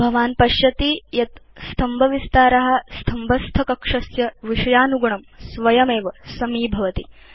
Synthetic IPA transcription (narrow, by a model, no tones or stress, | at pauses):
bʱɐʋaːnpɐʃjɐt̪ijɐt̪st̪ʰɐmbʱɐʋist̪aːɾɐɦɐ̆st̪ʰɐmbʱɐst̪ʰɐkɐkʂɐsjɐʋiʂɐjaːnuɡɐɳɐmsʋɐjɐmeːʋɐsɐmiːbʱɐʋɐt̪i